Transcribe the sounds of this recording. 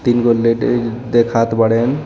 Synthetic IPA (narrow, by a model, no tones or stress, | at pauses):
t̪inɡoled̪ekʰat̪bəɽen